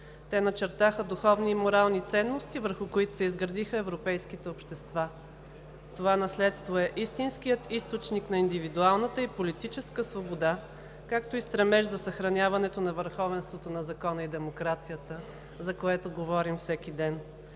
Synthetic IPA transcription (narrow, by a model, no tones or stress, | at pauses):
t̪ɛnɐt͡ʃɛɾt̪axəd̪uxɔvniːmoɾalˠnit̪sɛnːost̪ivəɾxʊkoit̪ʊ̥sɛizɡɾɐd̪ixəɛvɾopɛjskit̪ɛopʃt̪ɛst̪va | t̪ovanɐslɛt̪st̪voɛʔist̪inskijət̪ist̪ot͡ʃnikn̪ɐind̪ivid̪ualˠnət̪əipolit̪it͡ʃɛskəsvobod̪a | kakt̪oist̪ɾɛmɛʒzɐsɐxɾɐnʲavɐnɛt̪onɐvəɾxɔvɛnst̪vot̪onɐzɐkɔnəid̪ɛmokɾat̪sijət̪ə | zɐkoɛt̪oɡovɔɾimfsɛk̟id̪ɛn